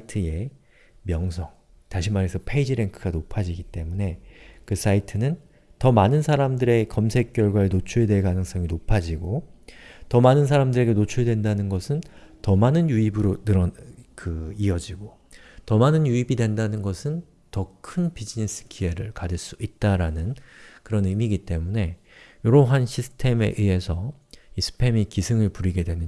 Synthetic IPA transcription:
itʰɯe̞ | mjʌŋs̬ʰʌŋ | taɕʰimaɾe̞sʰʌpʰe̞id͡ʑiɾe̞ŋkʰɯɡanopʰad͡ʑiɡit͈e̞mune̞kɯs͈ʰaitʰɯnɯn | tʌmanɯnsʰaɾamdɯɾe̞kʌmsʰe̞k͈jʌɭɡwaenot͡ɕʰuɭedwe̞ɭkanɯŋs͈ʌŋinopʰad͡ʑiɡo | tʌmanɯnsʰaɾamdɯɾe̞ɡe̞not͡ɕʰuɭdwe̞ndanɯnɡʌsʰɯn | tʌmanɯnjuibɯɾonɯɾʌkɯiʌd͡ʑiɡo | tʌmanɯnjuibidwe̞ndanɯnɡʌsʰɯn | tʌkʰɯnbid͡ʑines͈ʰɯ̥kie̞ɾɯɭkad͡ʑiɭs͈uit̚t͈aɾanɯnkɯɾʌnɯmiɡit͈e̞mune̞ | joɾoɦanɕʰisʰɯ̥tʰe̞me̞̰ʔie̞sʰʌ | isʰɯ̥pʰe̞mikisʰɯŋɯɭpuɾiɡe̞dwe̞nɯ

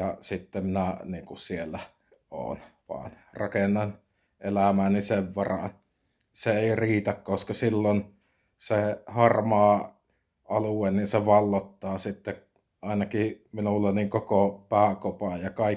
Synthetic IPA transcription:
ɑsit̪ːemminæniːŋkusielːæ | o̰ːnʋɑ̰ːn | rɑkenːɑn | ʔelæmæːnniseʋʋɑrɑ̰n | seeˑiriːt̪ækkoskɑsilːon | sehɑrmɑː | ɑluweninseʋɑlːot̪ːɑːsit̪ːe | ʔɑˑinɑkiminulːeniŋkokopæːkopɑjjɑkɑi

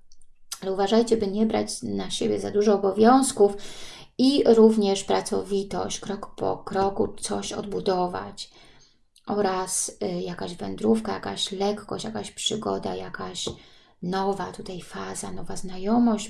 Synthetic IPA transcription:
alɛuvaʐajt͡ɕɛbɘɲɛbɾa̰t͡ɕnaɕebʲjɛza̰d̪uʐɔːbɔvʲjɔ̃w̃skufiɾuvɲɛʂpɾat̪sɔ̰vʲit̪ɔ̰ɕt͡ɕkɾɔkpɔ̰kɾɔkut̪sɔɕɔ̰d̪̚bud̪ɔva̰t͡ɕ | ʔɔɾasjakaʑvɛ̰nd̪ɾufkajakaɕlɛkːɔ̰ɕt͡ɕjakaɕpʂɘɡɔ̰d̪a̰jakaɕ | nɔvat̪ut̪ajfazanɔvaznajɔmɔɕ

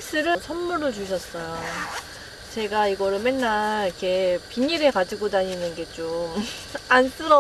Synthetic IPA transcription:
s͈ɯɾɯt͡ɕʰʌnmuɾɯt͡ɕuɕʰʌs͈ʌjo | t͡ɕe̞ɡaiɡʌɾɯɭmennaɭikʰe̞piɲiɾekad͡ʑiɡodaɲinɯnɡe̞t͡ɕ͈omans͈ɯɾʌ

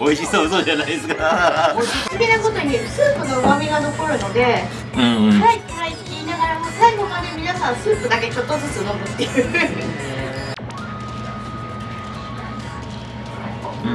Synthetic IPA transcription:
oiɕisoːnod͡ʑanaideskamott̪ekʲinako̞t̪o̞ɲ̟isɨːpɯ̟nomamʲiɡano̞ko̞ɾɯ̟no̞d̪e̞ | saikkaikʲinaɡaɾamosaiɡomaɲemʲinasãɰ̃sɨːpɯ̟d̪ake̞t͡ɕo̞t̪ːosɨt͡sɨnomɯ̟t̪ːe̞jɯ

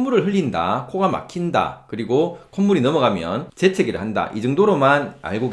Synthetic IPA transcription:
muɾɯɭɦɯɭʎːinda̰kʰoɡama̰kʰinda̰kɯɾiɡokʰomːuɾinʌmʌɡamjʌnt͡ɕe̞t͡ɕʰe̞ɡiɭhanda̰ʔid͡ʑɯŋdoɾomana̰ɭɡoɡ

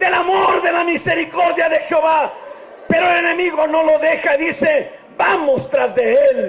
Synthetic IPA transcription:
d̪e̞lamoɾðe̞lamise̞ɾiko̞ɾðjaðe̞xeo̞βa | pe̞ɾoelene̞miɣo̞no̞lo̞ðe̞xaðise̞ | bamost̪ɾazðeel

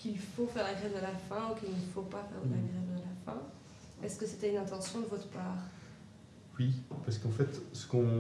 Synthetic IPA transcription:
kilfofɛʁlaɡʁɛvd̪əlafɛ̃ukilnəfopafɛ̰ʁd̪əlaɡʁɛvd̪əlafɛ̃ | ɛskəset̪ɛynɛ̃t̪ɑ̃sjɔ̃d̪əvɔt̪χə̥paːʁ | wipaʁsə̥kɑ̃fɛt̪sə̥kɔ̃

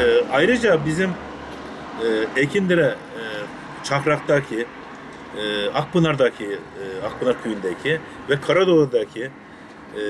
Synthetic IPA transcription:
ajɾɯd͡ʒabizim | ecʰind̪iɾɛ | t͡ʃʰaxɾak̚t̪acʰi | ak̚pɯnˠaɾd̪acʰiak̚pʰɯnaɾkʰyjynd̪ɛcʰi | vɛkʰaɾad̪olˠaɾd̪acʰi

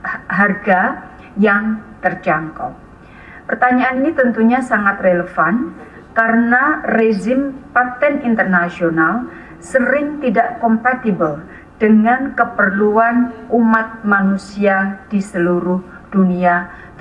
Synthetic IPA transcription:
ɦarɡa | jaŋt̪ərd͡ʒaŋkɔ̰ | pərt̪aɲaːninit̪ənt̪uɲasaŋat̪reləfan | kaɾənared͡ʒɪmpat̪ɛnint̪ərnasional | səɾɪŋt̪idaʔkɔmpat̪ibəl | d̥əŋankəpərluanumat̪̚manusiadisəluɾʊhd̥unia

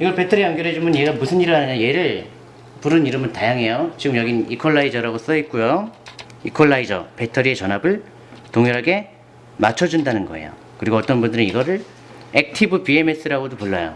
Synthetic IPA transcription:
iɡʌɭpe̞tʰʌɾiaŋɡjʌɾɦed͡ʑumɯnjeɡamusʰɯniɾɯanɯɲaje̞ɾɯɭ | puɾɯniɾɯmɯntajaŋɦe̞jot͡ɕiɡɯmjʌɡinikʰoɭːaid͡ʑʌɾaɡos͈ʌɦet̚k͈ujo | ikʰoɭːaid͡ʑʌ̰pe̞tʰʌɾie̞t͡ɕʌnɦabɯɭ | toŋjʌɾɦaɡe̞ | mat͡ɕʰʌd͡ʑundanɯnɡʌ̰ḛjo̰ | kɯɾiɡoʌt͈ʌnbundɯɾɯniɡʌɾɯɭ | ek̚tʰibɯpie̞me̞s͈ɯɾaɡodopoɭːajo̰

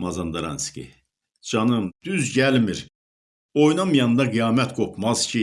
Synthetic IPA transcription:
mɑzɑnd̪ɑɾɑ̰nscʲḭ | d͡ʒɑnɯmd̪̥yzɟælmiɾ | ojnɑmjɑnd̪ɑɡijɑːmɛt̪ɡokʰmɑz̥cʰi

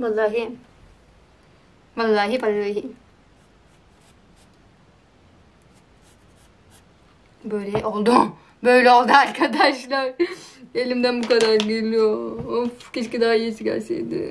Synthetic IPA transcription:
ʋalˠːaːɦi | ʋalˠːaːɦiʋalˠːaːɦi | bøjlʲɛʔolˠd̪u | bøjlʲɛo̞lˠd̪uaɾkʰad̪aʃlˠaɾelʲimd̪ænbukad̪aɾɡelʲijoofket͡ʃkid̪aɦaijisikʲa̰ɾsḛjd̪ɪ̰

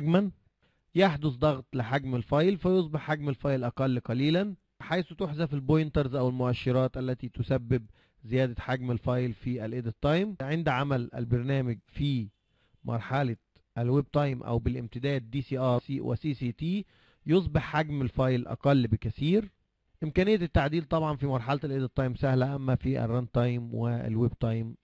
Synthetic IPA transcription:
ɡmæn | jeħd̪osˤd̪ˤɑɣt̪ˤlɪħaɡmɪlfɑjlfæjosˤbeħːaɡmɪlfɑjlʔɑqɑlːqɑliːlæn | ħajsut̪oħzæfɪlbojnt̪ɑɾˤzʔæwɪlmʊʔæʃːɑɾˤɑːt̪ʔælːæt̪iːt̪ʊsæbːɪb̚ | zɪjæːd̪æħaɡmælfɑjlfiʔælʔed̪ɪt̪ˤːɑjmʕɪnd̪ʕamælʔæ̰lbɑɾˤnæːmɪɡfiː | mʔɑ̰ɾˤħɑlɑ | ʔælweb̚t̪ˤɑjmʔæ̰wbɪlʔɪ̰mt̪ɪd̪æːd̪̚ːiːsiːʔɑsiːwʔæ̰siːsiːt̪iː | jos̬ˤbeħːaɡmælfɑjlʔɑ̰qɑlːbɪkæθiːɾ | ʔɪmkæːnɪjːæɪt̪ːaʕd̪iːlt̪ˤɑbʕɑnfimɑɾˤħɑlɑt̪ælʔed̪ɪt̪ˤːɑjmsæhlæʔæmːæfiʔæ̰rˤːɑnd̪t̪ˤɑjmwɪæ̰lwebt̪ˤɑjm

